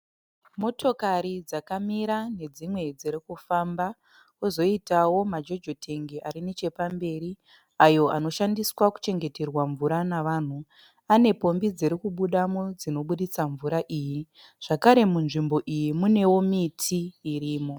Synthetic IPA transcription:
mo̞tʰo̞kaɾid͡zakamiɾane̞d͡zimwe̞d͡ziɾikufamba | ozo̞itawo̞mad͡ʒo̞d͡ʒo̞tʰe̞ŋɡeʔaɾinet͡ʃe̞pambe̞ːɾi | ajo̞ʔano̞ʃandiswaku̥t͡ʃe̞ŋɡe̞terwaɱvuɾanaʋaːn̤u | ane̞po̞mbid͡ziɾikuɓuɗamod͡zino̞ɓuɗit͡saɱvuɾaʔiːji | ʐ̥akaɾe̞munʐimbo̞ʔijimune̞wo̞mitʰiːriːmo̞

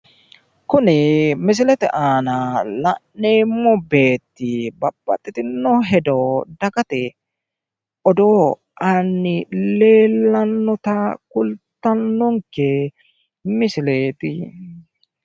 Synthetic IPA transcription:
kʊnɪmɪs̬ɪlɛt̪ɛ̰ʔaːnɐlɐʔːeːmːɔbe̞ːt̪ːɪbɐbːɐ̰t̪ʼːɪt̪ɪnːɔɦɛd̪ɔd̪ɐɡɐt̪ɛ | ʔɔd̪oː | ʔɐnːɪleːlːɐnːɔt̪ɐkʊlt̪ːɐnːɔŋkɛ | mɪsɪleːt̪ɪ

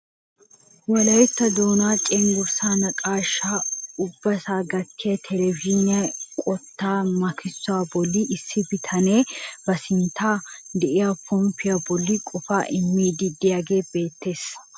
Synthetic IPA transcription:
mɐlɐjɛt̪ːɐd̪o̞ːnaːt͡ʃʼeːŋɡʊɾsaːnɐkʼaːʃːaːʊbːɐsaːɡɐt̪ːɪjɐt̪ʰɛlɛvɪʒɪnɪjɐkʼɔt̪ːaːmɐkʰɪsːʊaːbɔlːɪʔɪsːɪbɪt̪ʰɐneːb̥ɐsɪnt̪ʰːaːd̪ɛʔɪjapʰɔmpʰɪjɐbɔlːɪkʼɔfaːʔɪmːiːd̪ɪd̪ɪjaːɡe̞ːbe̞ːt̪ʰːe̞ːs

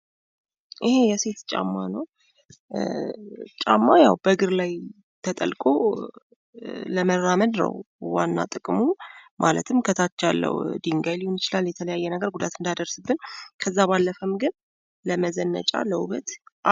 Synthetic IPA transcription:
ʔihe̞jɛse̞t̪t͡ʃʼa̰mːanəw | t͡ʃʼamːajawbəɡɨɾlaj | t̪ʰət̪ʼə̰lkʼo | ləməɾaməd̪nə̰w | wanːa̰t̪ʼɨkʼmumʔalə̰t̪ʰɨmkʰət̪ʰat͡ʃːalːə̰wd̪iŋɡajlihunɪt͡ʃɪlaljɛt̪ʰələjajːɛnəɡəɾɡud̪at̪ɨnd̪ad̪əɾsɨbːɨnkʰəzːabalːəfəmɡɨn | ləməzənːə̰t͡ʃʼa̰ləubət̪

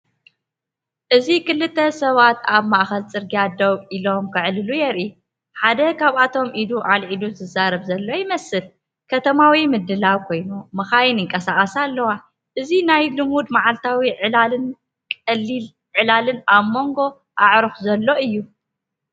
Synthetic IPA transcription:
ʔɨzikɨlːɨt̪ʰːɐsɐβat̪aβmaʔxɐlt͡sʼɨɾɡijad̪oβʔilo̞mkʰɐʕlɨlujɛɾʔi | ħad̪ɐkʰaβat̪ʰo̞mʔid̪uʔalʕiluzɨzːaɾɐβzɐlːo̞jɪmɐsɨl | kʰɐt̪ʰɐmawimɨd̪ːɨlaβkʰo̞jnumɨxajɨnjɪŋkʼɐsaʔʼasalːɐwa | ʔɨzinajlɨmud̪maʕalt̪ʰawiʕɨlalɨn | kʼɐlil | ʕɨlalɨnaβmo̞ŋɡo̞ | ʔaʕɾɨxzɐlːo̞ɨjːu

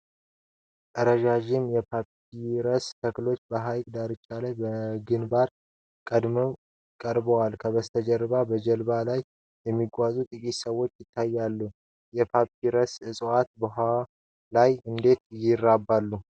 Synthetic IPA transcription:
t̪ʼəɾəd͡ʒad͡ʒɪmjɛpap | iɾəst̪ʰəklo̞t͡ʃːbəɦajkʼd̪aɾɨt͡ʃːalajbəɡɨnbaɾ | kʼəd̪məw | kʼəɾbəwalkʰəβəst̪ʰəd͡ʒəɾbabəd͡ʒəlbalaj | jɛmːiɡʷazut̪ʼɨkʼit̪səwːo̞t͡ʃːjɪt̪ʰːajːalːu | jɛpʰapʰiɾəsɨsʼwat̪̚bəɦa | lajɨnd̪e̞t̪̚jɪrːabːalːu

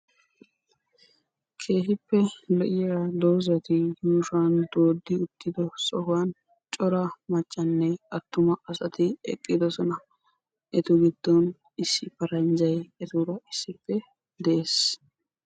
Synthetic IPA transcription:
kʰe̞ːhɪpːɛlɛʔɪjad̪o̞ːzɐt̪ɪjuːʃand̪o̞ːd̪ːɪʊt̪ːɪd̪ɔsɔhʊwɐn | t͡ʃʼɔɾɐmɐt͡ʃʼːɐnːɛɐt̪ːʊmɐʔɐsɐt̪ɪɛ̰kʼːɪd̪ɔsɔnɐ | ʔɛt̪ʊɡɪd̪̥ːɔn | ɪsːɪpɐɾɐnd͡ʒɐjɛt̪uɾɐɪsːɪpːɛ | d̪ɛʔe̞ːs

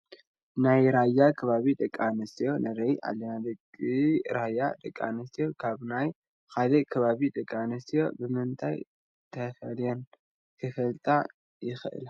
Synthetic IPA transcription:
najɾajːakʰɐβaβit̪ʼɐkʼːanɐst̪ʰijo̞nɐɾɐjʔa̰lːɐnad̪ɐkʼːiɾajad̪ʼɐkʼːa̰nɐst̪ʰijo̞kʰaβnaj | kad̪ekʰɐβaβid̪ʼɐkʼːanɐst̪ʰijo̞̰bɨmɨnt̪ʰaj | t̪ʰɐfɐljon | kʰɨfɐlt̪ʼa | jɪxʔɨ̰l

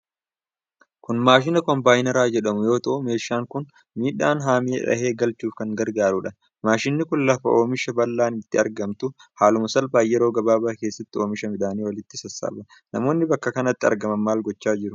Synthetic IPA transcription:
kʊnmaːʃɪnɐkɔmbaːjnɛɾaːd͡ʒɛᶑɐmʊjoːt̪ɐʔʊme̞ːʃːaːŋkʊn | miːᶑaːnɦaːmɪᶑɐ̰ɦe̞ːɡɐlt͡ʃuːfkɐŋɡɐɾɡaːɾʊᶑɐ | maːʃɪnːɪkʊnlɐfɐ̰ʔo̞ːmɪʃɐbɐlːaːnɪt̪ːɪɐɾɡɐmt̪ʊhaːlʊmɐsɐlbaːjɛɾo̞ːɡɐbaːbaːkeːsːɐt̪ːɪo̞ːmɪʃɐmɪᶑaːniːwɐlɪt̪ːɪsɐsːa̰ːbɐ | nɐmo̞ːnːɪbɐkːɐkɐnɐt̪ːɪɐ̰ɾɡɐmɐnmaːlɡɔt͡ʃːaːd͡ʒɪɾʊ

